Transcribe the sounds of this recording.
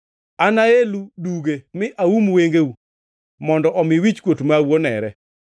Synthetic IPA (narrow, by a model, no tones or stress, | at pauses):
anaeluduɡemɪʔawumweŋɡeu | mɔndɔʔɔmɪwit͡ʃkwotmawonɛ̰ɾɛ